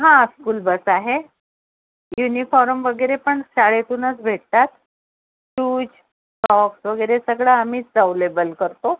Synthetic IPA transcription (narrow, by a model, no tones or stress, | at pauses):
ɦãskuːlbəsaɦe | junifɔɾmʋəɡəjɾepəɳɕaɭet̪uːnət͡sbʱeʈ̚t̪at̪ | t͡ɕuːd͡ʑ | ʈɔksʋəɡəjɾesəɡɭaam̤iːd͡zawlebəlkəɾt̪o